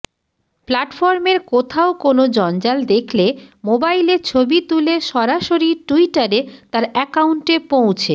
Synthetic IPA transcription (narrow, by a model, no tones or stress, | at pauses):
plaʈfɔɾmeɾkot̪ʰaokonod͡ʑɔnd͡ʑald̪ekʰlemobaileɾt͡ɕʰobit̪uleʃɔɾaʃoɾiʈuiʈaɾet̪aɾɛkauɳʈepowt͡ɕʰe